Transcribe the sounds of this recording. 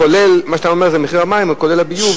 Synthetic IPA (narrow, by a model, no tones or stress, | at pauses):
olelmaʃat̪amomeʁzemeχiʁamaimako̞le̞labiju